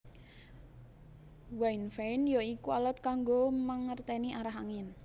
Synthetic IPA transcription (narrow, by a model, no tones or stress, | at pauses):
wainfɛinjoikualət̪̚kaŋɡoməŋərt̪ɛniʔaɾaɦaŋɪn